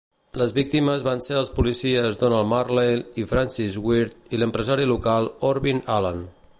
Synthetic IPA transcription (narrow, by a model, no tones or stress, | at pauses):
ləzβik̚t̪iməzβanseəlˠspulisiəzd̪onalˠmarlelifɾansizwiɾt̪iləmpɾəzaɾilukalˠɔɾβinalan